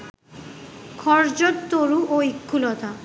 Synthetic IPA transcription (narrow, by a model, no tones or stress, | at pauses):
kʰɔɾd͡ʑot̪t̪oɾuʔoikʰːulɔt̪a